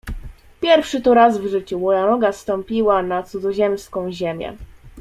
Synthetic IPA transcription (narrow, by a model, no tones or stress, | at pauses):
pʲjɛɾfʂɘt̪ɔɾazvʐɘt͡ɕumɔjanɔɡast̪ɔmpʲiwanat̪sud̪zɔʑɛmskɔ̃w̃ʑemʲjɛ̰